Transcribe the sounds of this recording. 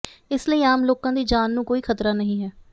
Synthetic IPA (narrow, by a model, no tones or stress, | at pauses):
ɪsləiːaːmloːkãːd̪iːd͡ʒaːnːũːkoːiːkʰət̪ɾaːnəɦĩːɦɛː